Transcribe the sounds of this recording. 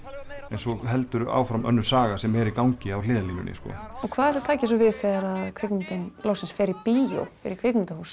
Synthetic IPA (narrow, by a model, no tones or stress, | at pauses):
ɛnsɔɣɦɛlt̪ʏɾʏa̰wfɾamʔœ̰nːʏ̥saːɣasɛmɛɾikawɲcɪawlɪːðaliɲʏ̰nɪ̰skɔ̰ɔkʰvaːðɛɾ̥lʏ̥t̪ʰaːcɪs̬ɔvɪðfɛɾaðkʰvɪknʏnt̪ɪnlowsɪnsfɛːɾɪɾpiːjo̰wfɪ̰ɾɪɾkʰvɪknɪnt̪ahus